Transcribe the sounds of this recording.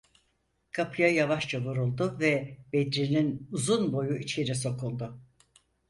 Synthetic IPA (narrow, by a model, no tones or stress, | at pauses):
kʰapʰɯjajavaʃt͡ʃavuɾulˠd̪ʊvɛbed̪ɾilʲinuzunbo̞juit͡ʃʰeɾiso̞kʰulˠd̪ʊ